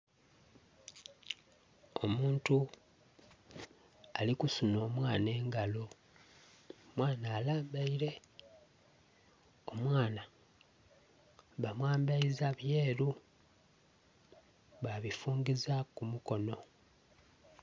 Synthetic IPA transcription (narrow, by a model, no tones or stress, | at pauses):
o̞muːntu | alikusuno̞ːmwaːne̞ːŋɡalo̞ | mwaːnaːlaːmbaiɾe̞ | o̞mwaːna | βamwaːmbaizaβje̞ːɾu | βaβifuːŋɡizakumuko̞no̞